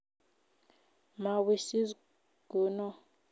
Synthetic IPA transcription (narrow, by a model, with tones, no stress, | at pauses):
ma˨wi˦˨si˦z | ɡ̥uː˨˦nɔ˦